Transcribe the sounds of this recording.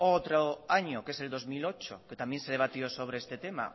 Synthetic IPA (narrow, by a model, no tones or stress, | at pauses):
owt̪ɾoaɲokeseld̪ozmilot͡ʃoket̪amjenseð̞eβat̪josoβ̞ɾeest̪et̪ema̰